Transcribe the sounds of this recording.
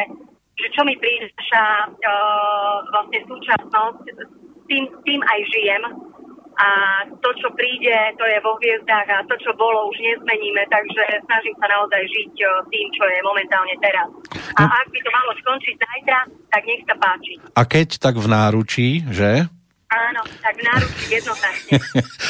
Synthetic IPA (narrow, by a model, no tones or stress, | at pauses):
ɛ | ʒɛt͡ʃɔmipɾiːdɛʃa | ʋlasɲɛsuːt͡ʃasnɔsct̪iːmst̪iːmajʒijɛmʔat̪ɔt͡ʃɔpɾiːɟɛt̪ɔjɛʋɔɦʋɪɛzd̪aːɣat̪ɔt͡ʃɔbɔlɔuʒɲɛzmɛɲiːmɛt̪aɡʒɛsnaʒimsanaɔzajʒict̪iːmt͡ʃɔjɛmɔmɛnt̪aːlɲɛt̪ɛɾasaʔaɡ̚bit̪ɔmalɔskɔnt͡ʃiɟzajt̪ɾat̪aɡɲɛxsapaːt͡ʃiʔakɛct̪aɡvnaːɾut͡ʃiːʒɛ | aːnɔt̪aɡvnaːɾut͡ʃiːjɛd̪nɔznat͡ʃɲɛɛ